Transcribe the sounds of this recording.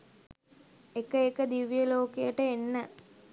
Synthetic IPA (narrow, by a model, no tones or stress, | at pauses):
ekəekəd̪iʋijəloːkejəʈəenːə